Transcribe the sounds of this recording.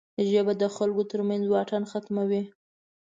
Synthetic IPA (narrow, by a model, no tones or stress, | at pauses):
d̪əʒəbad̪əxalkot̪əɾmanzwɑʈanxat̪mawi